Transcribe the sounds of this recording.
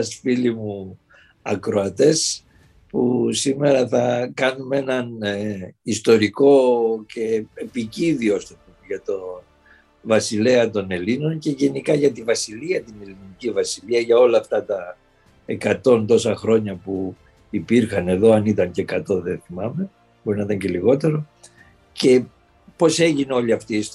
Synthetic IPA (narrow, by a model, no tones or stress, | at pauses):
ɐst̪i̥filimu | ɐkɾo̞ɐt̪e̞s | pusime̞ɾɐθɐkɐnume̞nɐn | ist̪o̞ɾiko̞ce̞epiciðiost̪p̪umʝɐt̪o̞ | vɐsile̞ɐt̪o̞ne̞lino̞nce̞ʝe̞nikɐʝɐt̪ivɐsiliɐt̪ine̞linnicivɐsiliɐʝɐo̞lɐːft̪ɐt̪ɐ | ekɐt̪o̞nt̪o̞sɐxɾo̞ɲɐpu | ipiɾxɐne̞ðo̞ɐnit̪ɐɲceːkɐt̪o̞ðe̞θimɐme̞ | boɾinɐit̪ɐɲce̞liɣo̞t̪e̞ɾo̞ | ce̞ | po̞se̞ʝineo̞ʎiɐft̪is